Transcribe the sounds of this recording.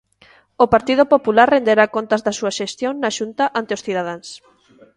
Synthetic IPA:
opaɾt̪ið̞opopulaɾrend̪eɾakont̪azðɐsuaʃest̪joŋnaʃunt̪aʔant̪eosθiðaðaŋs

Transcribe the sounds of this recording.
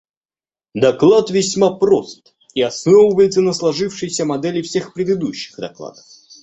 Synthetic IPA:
d̪ɐklˠat̪vʲɪsʲmapɾo̞st̪ | iɐsnovəvəjɪt̪sənəslˠɐʐɨfʂɨjsʲəmɐd̪ɛlʲɪfsʲe̞xpɾʲɪd̪ɨd̪uɕːɪ̥ɣd̪ɐklˠa̰d̪əf

